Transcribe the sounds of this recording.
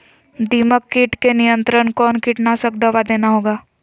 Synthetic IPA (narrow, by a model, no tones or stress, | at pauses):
d̪iːməkːiːʈkenijə̃nt̪ɾənkɔːnkiːʈnasəkd̪ɐʋad̪eːnaɦoːɡaː